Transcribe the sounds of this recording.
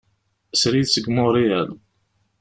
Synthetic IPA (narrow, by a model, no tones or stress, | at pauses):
əsɾiðsəɡmʊɾiæl